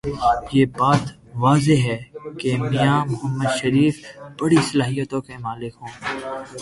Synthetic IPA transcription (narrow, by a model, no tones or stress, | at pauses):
jeːbaːt̪ | ʋaːzeɦɛːkemɪjãːmʊɦəmːəd̪ʃɐɾiːfb̥ɐɽisɐlaːɦijət̪õkemaːlɪkɦõː